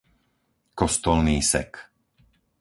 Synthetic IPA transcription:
kɔst̪ɔlniːsɛ̰k

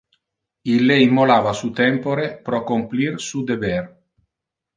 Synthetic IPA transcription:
ilːeimːolaːvasut̪ɛmpoɾepɾɔkːomplirsud̪evɛr

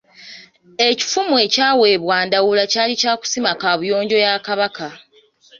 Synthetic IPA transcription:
e̞ci̥fumue̞ːcaːwe̞ːβwaːndawulacaːlicaːku̥simakaβujo̞ːɲɟo̞jakaβaka

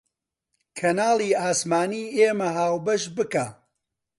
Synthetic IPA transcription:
kʰɐnaːlˠiːaːsmaːniːʔeːmɐɦaːwbɐʃbɨkaː

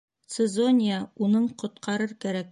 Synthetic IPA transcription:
t̪sɘezo̞nʲɪjaunɤɴqŏt̪̚qʰɑɾɤɾkæɾæk̚

